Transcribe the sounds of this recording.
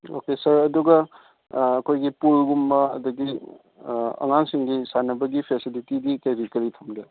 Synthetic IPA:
o̰kesɐɾɐduɡɐː | kʰojɡipulɡumbɐɐ̰duɡi | ɐ̰ŋaŋsiŋɡisanɐbɐɡipʰesilitidikeɾikɐɾitʰɐmɡe

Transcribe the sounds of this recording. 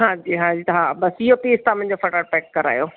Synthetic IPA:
ɦãːd͡ʑiːɦãːd͡ʑiːt̪ɐɦãːbɐsɪɦopeːst̪ãmʊ̃ɪ̃ɲ̆d͡ʑofɐʈəɾ̚pɛːkːɐɾa̰ːjoː

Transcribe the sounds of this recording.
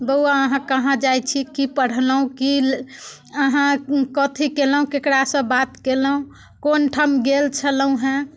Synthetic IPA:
bəwaəɦãkəɦãd͡ʒajt͡ʃʰikipəɽ̤ləɦũki | əɦãkət̪ʰikeləɦũkekɽasə̃bat̪keləɦũ | konʈʰamɡelt͡ʃʰələũɦɛ̃

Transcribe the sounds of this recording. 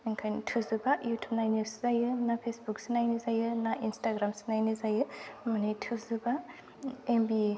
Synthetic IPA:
eŋkʰajntʰuzɯbajutʰup̚najnuszajɯnapʰesbuk̚sinajnizajɯnaʔinstaɡɾamsi̥najnizajɯmanitʰuzuba | embi

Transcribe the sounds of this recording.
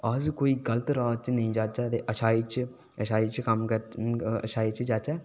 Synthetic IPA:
azkoːiːɡələt̪ɾaːt͡ʃnəĩːd͡ʒaːt͡ʃaːt̪eʔəʃʰaːiːt͡ʃ | əʃʰaːiːt͡ʃkəmkəɾə̰ʃʰaːiːt͡ʃd͡ʒaːt͡ʃɛː

